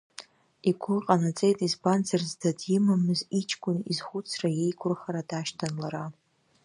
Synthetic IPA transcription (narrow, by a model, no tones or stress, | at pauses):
iɡʷʊqʼanat͡sʼe̞jtʼizbant͡sʰarzdadjɪmamɨzit͡ʃʰkʷʼʊnizχʷʊt͡sʰraje̞jkʷʰʊrχaɾadaʃtʰanlaɾa